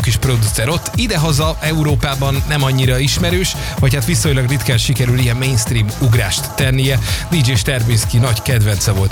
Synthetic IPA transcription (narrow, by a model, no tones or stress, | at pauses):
kiʃpro̞d̪ut̪sɛɾo̞t̪ːid̪ɛɦɒzɒɛuɾoːpaːbɒnːɛmɒɲːiɾɒiʃmɛɾøːʃ | ʋɒchat̪ʋiso̞ɲlɒɡrit̪kɛnʃikɛɾylijɛmːeːnst̪riːmuɡraːʃt̪ːɛnːijɛd̪id͡ʒeːʃt̪ɛrmiskinɒɟkɛd̪ʋɛnt̪sɛvo̞lt̪